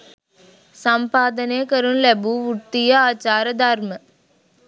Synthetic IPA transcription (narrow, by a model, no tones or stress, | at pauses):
sɐmpaːd̪ɐneːkɐɾunlebuʋʊt̪ːɪjɐaːt͡ʃaːɾɐd̪aːɾmɐ